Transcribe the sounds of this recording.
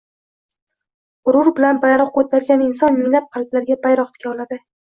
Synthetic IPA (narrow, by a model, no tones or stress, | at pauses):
ʊɾʊɾbɪlanbajɾɒq̚kʰot̪ʰaɾɡʲanɪnsɒnmɪŋlap̚qʰɑlp̪laɾɡʲabajɾɒqt̪ʰɪ̥kʲaɒlad̪ɪ